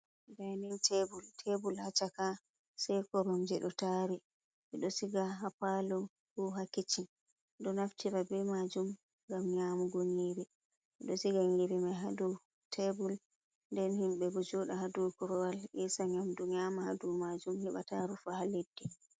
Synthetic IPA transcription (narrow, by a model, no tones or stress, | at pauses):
ɡajnintʰebultʰebulhat͡ʃaka | sɛjkɔɾɔmd͡ʒɛɗɔtaɾi | ʔɛɗɔsiɡaɦapalɔ | huɦakːit͡ʃi | ɗɔnaftʰiɾabɛmad͡ʒum | ɡamɲaːmuɡoɲiɾi | ɓɛɗɔsiɡaɲiɾimaɦadu | tʰebul | ndɛnhimɓɛbud͡ʒɔɗahadukɔɾɔwalʔɛsaɲamduɲaːmahadumad͡ʒumhiɓa̰taɾufahaledːi